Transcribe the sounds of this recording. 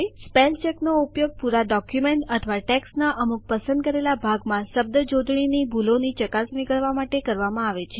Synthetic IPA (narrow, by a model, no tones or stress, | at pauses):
ispelt͡ʃeknoupjoɡ̚puɾaɖɔkjumeɳʈət̪ʰʋaʈɛksnaʔəmuk̚pəsənd̪̚kəɾelabʱaɡmãsəb̚d̪əd͡ʒod̪ʱɳinibʱulonit͡ʃəkasʋikəɭʋamaʈekəɾʋamãaʋet͡ʃʰe